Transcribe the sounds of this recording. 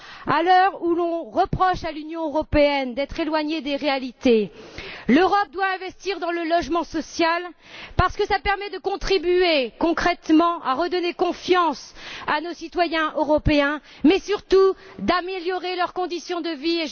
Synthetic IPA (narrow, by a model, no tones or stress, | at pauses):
alœʁulɔ̃ʁəpχɔʃalynjɔ̃øʁɔpeɛnd̪ɛt̪χelwaɲed̪eʁealit̪e | løʁɔp̚d̪waɛ̃vɛst̪iʁd̪ɑ̃ləlɔʒmɑ̃sɔsjal | paʁsə̥kəsapɛʁmɛd̪əkɔ̃t̪χibyekɔ̃kχɛt̪mɑ̃ʔaʁəd̪ɔnekɔ̃fjɑ̃sanosit̪wajɛ̃ʔøʁɔpeɛ̃ | mɛsyʁt̪ud̪ameljɔʁelœʁkɔ̃d̪isjɔ̃d̪əvie